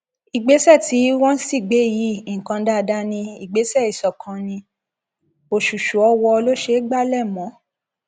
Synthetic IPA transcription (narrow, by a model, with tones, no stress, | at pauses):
i˨ɡ͡be˨˦sɛ˦˨ti˨˦wɔ̃˦n̩˦si˦˨ɡ͡be˨˦ji˨˦˨ŋ̩˨kã˧da˦˧da˦nĩ˧i˨ɡ͡be˨˦sɛ˦˨i˨sɔ˨kʰã˧nĩ˧ | o˨ʃu˨ʃu˨ɔ˧wɔ˧lo˦ʃe˦ɡ͡ba˦˨lɛ˦˨mɔ̃˨˦